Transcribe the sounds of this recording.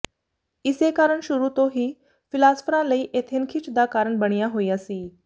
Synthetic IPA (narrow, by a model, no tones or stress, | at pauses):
isekaɾəɳɕuɾut̪oɦiː | filasfɾãləiʔet̪ʰenkʰiːt͡sd̪akaɾəɳbəɳjaɦoiːasiː